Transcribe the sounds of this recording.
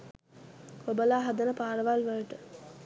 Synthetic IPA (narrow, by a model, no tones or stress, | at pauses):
kobəlaːɦad̪ənəpaːɾəʋalʋələʈə